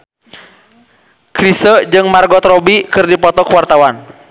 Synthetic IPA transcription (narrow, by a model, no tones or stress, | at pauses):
kɾisəd͡ʒɨŋmarɡɔt̪ɾɔbikɨrdipɔt̪ɔkwart̪awan